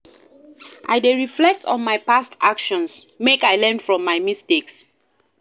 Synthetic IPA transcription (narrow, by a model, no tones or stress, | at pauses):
ʔa̰jdeɹiflɛk̚tɔ̰̃nmajpastʰakʃɔ̃ns | mekajlɛ̃nfɹɔ̃mːajmisteks